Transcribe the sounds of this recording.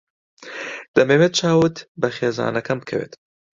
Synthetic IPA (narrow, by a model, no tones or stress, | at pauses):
d̪̥ɐmeːmet̪̚t͡ʃaːwɨt̪bɐxeːzɑ̰ːnɐkʰɐmkʰɐwḛːt̪